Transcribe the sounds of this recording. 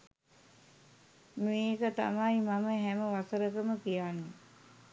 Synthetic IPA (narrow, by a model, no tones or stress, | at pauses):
meːkət̪a̰majmaməɦɛməʋasəɾəkəməkijaːnːe